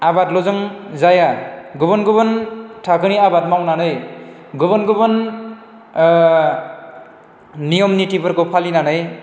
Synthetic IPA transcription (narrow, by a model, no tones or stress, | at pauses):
abatlɔzɯŋzajaɡɯbɔnɡɯbɯntʰakɯniabat̚mawnanɯj | ɡɯbɔnɡɯbɯn | nijɔmnitipɯɾkopʰalinanɯj